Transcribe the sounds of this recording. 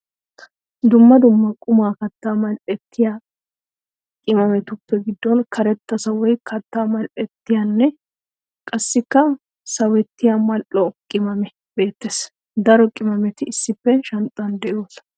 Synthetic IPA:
d̪ʊmːɐd̪ʊmːɐkʼʊmaːkɐt̪ːaːmɐlʔɛt̪ːɪjaː | kʼɪmɐmɛt̪ʊpːɛɡɪd̪ːɔnkʰɐɾɛt̪ːɐsɐwɔjkʰɐt̪ːaːmɐlʔɛt̪ːɪjanːɛ | kʼɐsːɪkːɐ | sɐwɛt̪ːɪjamɐlʔɔkʼɪmɐmɛ | be̞ːt̪ːeːs | d̪ɐɾɔkʼɪmɐmɛt̪ɪɪsːɪpːɛʃɐnt̪ʼːɐnd̪ɛʔɪjoːt̪ɐ

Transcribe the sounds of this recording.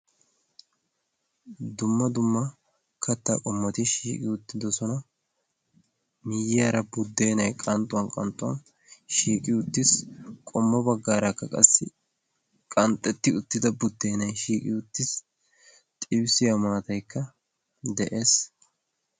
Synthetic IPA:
d̪ʊmːɐd̪ʊmːɐ | kʰɐt̪ːakʼɔmːɔt̪ɪʃḭːkʼɪʊt̪ːɪd̪ɔsɔnɐ | mɪjɪɐɾɐbʊd̪ːe̞ːnɐjkʼɐnt̪ʼːʊwɐnkʼɐ̰nt̪ʼʊɐ̰n | ʃiːkʼɪʊt̪ːɪskʼɔmːɐbɐɡːaːɾɐkːɐkʼɐ̰sːɪ | kʼɐnt̪ʼːɛt̪ːɪʊt̪ːɪd̪ɐbʊd̪ːe̞ːnɐjʃiːkʼɪ̰ʊt̪ːɪs | t̪ʼɪbsɪjɐmaːt̪ɐjkːɐ | d̪ɛʔe̞ːs

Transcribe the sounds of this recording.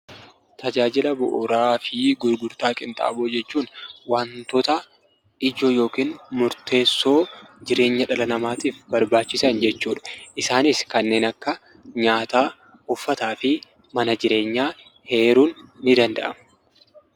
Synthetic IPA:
t̪ɐd͡ʒaːd͡ʒɪlɐbʊ̰ʔʊɾaːfɪɡʊɾɡʊɾt̪aːkʼɪnt̪ʼa̰ːboːd͡ʒɛt͡ʃːuːnwant̪ɔt̪ɐ | ɪd͡ʒoːjo̞ːkiːnmʊɾt̪e̞ːsːo̞ːd͡ʒɪɾe̞ːɲːɐᶑɐlɐnɐmaːt̪iːfbɐɾbaːt͡ʃːɪsɐnd͡ʒɛt͡ʃːuːᶑɐ̥ʔɪsaːnɪskɐnːe̞ːnɐkːɐ | ɲaːt̪aː | ʊfːɐt̪aːfɪ | mɐnɐd͡ʒɪɾe̞ːɲːaː | he̞ːɾuːnːɪd̪ɐnd̪ɐ̰ʔɐm

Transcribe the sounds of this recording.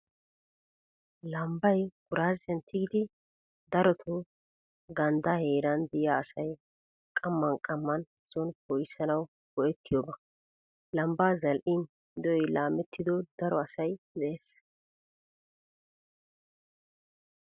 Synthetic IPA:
lɐmbɐjɡ̥ʊɾaːzɛnt̪ʰːɪɡɪd̪ɪ | d̪ɐɾɔt̪ʰʊ | ɡɐnd̪ahe̞ːɾɐnd̪ɪjaːsɐj | kʼɐmːɐnkʼɐmːɐn | z̥ɔnpɔjsɐnɐw | bɔʔɛt̪ːɪjɔbɐ | lɐmbaːzɐlʔɪn | d̪ɔɔjlaːmɛt̪ːɪd̪ɔd̪ɐɾɔɐsɐj | dɛʔeːs

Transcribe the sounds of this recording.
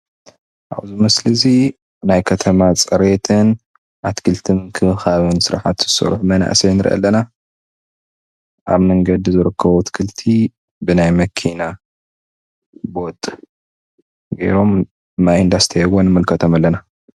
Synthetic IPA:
ʔa̰βzɨmɐslɨzi | najkʰɐt̪ʰɐmat͡sʼɐɾet̪ʰɨn | ʔat̪kʰɨlt̪ʰɨmkʰɨɨxaβɨnsɨɾaħat̪z̥ɨsɐ̰ɾħmɐna̰ʔsenɨɾʔɐ̰lːɐna | ʔa̰βmɐŋɡɐd̪izɨɾɨkʰːɐβut̪kʰɨlt̪ʰi | bɨnajmɐkʰina | bo̞t̪ʼ | ɡɐ̰jɾo̞m | majind̪ast̪ʰjɛwonmɨlkʰɐt̪ʰomalːɐna

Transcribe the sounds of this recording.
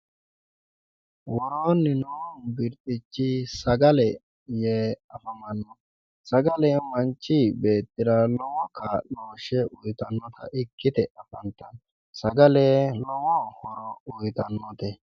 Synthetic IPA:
wɔɾoːnːɪnɔwɔnbɪɾt̪ʼɪt͡ʃːɪsɐɡɐlɛ | jeːɐfɐmɐnːɔ | sɐɡɐlɛmɐnt͡ʃːɪbeːt̪ːɪɾɐlɔwɔkʰːaloːʃɛʔʊjt̪ɐnːɔt̪ʰɐ̰ʔɪkːɪd̪ɛʔɐfɐnt̪ːɐn | sɐɡɐlelɔwɔhɔɾɔʊjt̪ɐnːɔt̪ɛ

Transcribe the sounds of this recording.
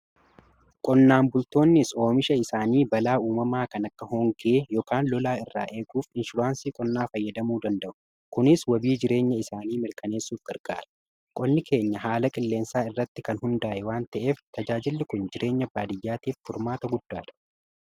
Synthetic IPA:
kʼɔnːaːmbʊlt̪o̞ːnːɪso̞ːmɪʃɐɪsaːniːbɐlaːuːmɐmaːkɐnɐkːɐɦɔːŋɡeːjɔkaːnlɔlaːɪrːa̰ːʔe̞ːkuːfɪnʃʊɾaːnsiːkʼɔnːaːfɐjːɐd̪ɐmuːd̪ɐnd̪ɐʔʊ̥ | kʊnɪswɐbiːd͡ʒɪɾe̞ːɲːɐɪsaːniːmɪɾkɐne̞ːsːuːfɡɐɾɡ̥a̰ːɾɐ̥ | kʼɔnːɪkʰe̞ːɲːɐɦaːlɐkʼɪlːe̞ːnsaːɪrːɐt̪ːɪkɐnɦʊnd̪aːʔɛwaːnt̪ɐʔe̞ːft̪ɐd͡ʒaːd͡ʒɪlːɪkʊnd͡ʒɪɾe̞ːɲːɐbːaːd̪ɪjːaːt̪iːfːʊɾmaːt̪ɐɡʊd̪ːaːᶑ̪ɐ̥

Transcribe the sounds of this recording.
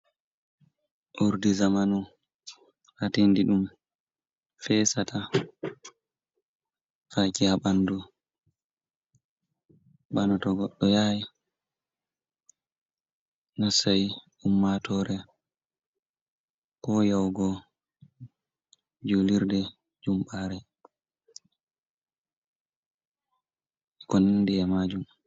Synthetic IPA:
ʔuɾdizamanu | hatindiɗum | fɛsatʰa | fakihaɓandu | ɓanɔtɔɡɔɗːɔjaj | nasaj | umːatɔɾɛ | kɔjawɡɔ | d͡ʒuliɾdɛ | d͡ʒumɓaɾɛ | kɔnndiɛmad͡ʒum

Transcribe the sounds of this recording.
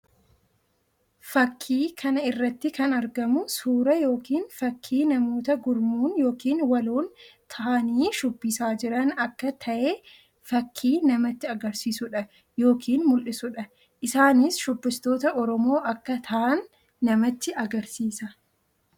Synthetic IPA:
fɐkʰːiːkʰɐnɐɪrːɐt̪ːɪkɐnɐɾɡɐmʊsuːɾɐjo̞ːkiːnfɐkʰːiːnɐmoːt̪ɐɡʊɾmuːnjo̞ːkiːnwɐluːnt̪ʰɐaniːʃʊbːisaːd͡ʒɪɾɐnɐkːɐt̪ʰɐʔeː | fɐkʰːiːnɐmɐt̪ːɪɐɡɐɾsiːsʊᶑɐ | jo̞ːkʰiːnmʊlʔɪsʊᶑɐ | ʔɪsaːnɪsʃʊbːɪst̪o̞ːt̪ɐʔɔɾɔmo̞ːʔɐkːɐt̪ʰɐʔɐnː | ɐmɐt̪ːɪʔɐɡɐɾsiːsɐ

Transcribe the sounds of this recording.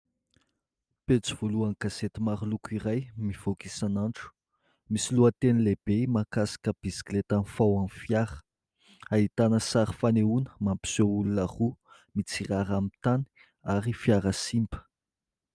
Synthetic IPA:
pet͡si̥v̥oluaŋɡ̥aset̪imaɾulukuiɾajmiv̥okisanaɳʈ͡ʂu̥ | misiluat̪enileb̥emakasḁkəb̥isi̥klet̪anfawanfjaɾə̥ | ait̪anəsaɾifaneunə̥mampi̥soulunaχu | mit͡siraɾamit̪ani̥ | aɾifjaɾəsimbə̥

